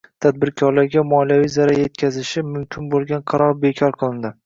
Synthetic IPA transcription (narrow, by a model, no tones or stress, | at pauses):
t̪ʰad̪̚bɪɾkʲʰɒɾlaɾɡʲamɒlijavijzaɾaje̞t̪̚kʲʰazɪʃɪmʊmkʲʰɪnbolˠɡʲanqʰɑɾɒɾbekʲʰɒɾqʰɨlˠɪnd̪ɪ